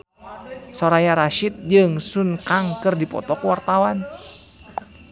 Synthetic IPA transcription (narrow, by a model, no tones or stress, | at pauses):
sɔɾajaɾaʃit̪̚d͡ʒɨŋsunkaŋkɨrdipɔ̰t̪ɔkuwart̪awan